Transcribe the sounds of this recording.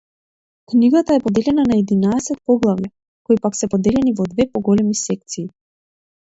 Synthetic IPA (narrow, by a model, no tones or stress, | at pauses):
kniɡat̪aɛpɔd̪ɛlɛnanaɛd̪inaɛsɛt̪̚pɔɡlˠavja | kɔipaksɛpɔd̪ɛlɛnivɔd̪vɛpɔɡɔlɛmisɛk̚t̪siː